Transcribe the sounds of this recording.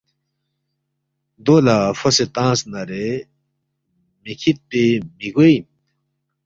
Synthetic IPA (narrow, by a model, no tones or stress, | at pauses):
d̪oːlafɐset̪ãːsnɐɾe | mikʰit̪̚pemiɡoim